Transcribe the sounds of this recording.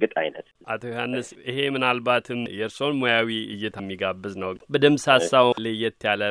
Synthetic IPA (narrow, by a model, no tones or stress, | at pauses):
ɡɨt̪ʼa̰jnət̪ʔat̪ʰojuhanːɨsʔɨhe̞mɨnalbat̪ʰɨmjɛɾso̞nmojawiɨjːɛt̪ʰmːiɡabːɨznəwbəd̪ɨmsasːawlejɛt̪ʰːjalə